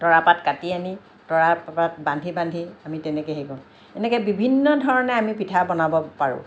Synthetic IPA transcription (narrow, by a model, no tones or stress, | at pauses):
tɔɹapatkatiani | tɔɹapatbãndʱibãndʱiamitɛnɛkɛɦekɔn | ɛnɛkɛbibʱinːɔdʱɔɹɔnɛamipitʰabɔnabɔpaɹʊ̰̃